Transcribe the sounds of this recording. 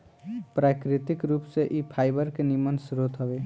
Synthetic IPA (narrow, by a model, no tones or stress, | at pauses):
pɾakɾit̪ikɾupseʔipʰajbəɾkenimənsɾot̪ɦəbe